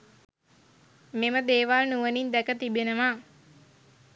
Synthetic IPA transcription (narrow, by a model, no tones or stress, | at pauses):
meməd̪eːʋalnuʋənind̪ɛkət̪ibenəmaː